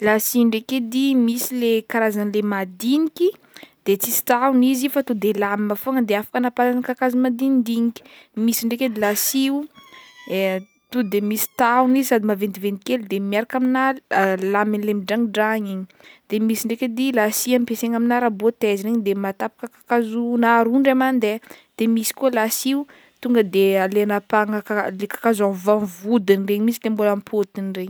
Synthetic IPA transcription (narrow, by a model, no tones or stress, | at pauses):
lasiɳɖ͡ʐeked̪imisilekaɾazanilemad̪inikʲi | d̪̥et͡sisi̥t̪awnizifat̪ud̪elamimafoŋəd̪eafḁkanapalanəkakazimad̪ind̪iɲikʲi̥ | misiɳɖ͡ʐeked̪ilasiu | t̪ud̪emisi̥t̪aunizisad̪imavend̪ivend̪ikelud̪emiaɾakaminalaminilemiɖ͡ʐaŋiɖ͡ʐaɲiɲi | d̪̥emisiɳɖ͡ʐeked̪ilasiamipeseŋaminaɾabot̪eziɾeɲd̪emat̪apḁkəkakazunaɾuɳɖ͡ʐamanid̪ed̪̥emisi̥kuolasiu | t̪uŋɡəd̪ealenapaŋakalekḁkazamvanvud̪inreɲmisilembolampʰot̪inreɲ